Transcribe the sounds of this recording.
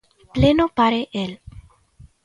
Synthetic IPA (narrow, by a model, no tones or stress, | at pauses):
plenopaɾeʔel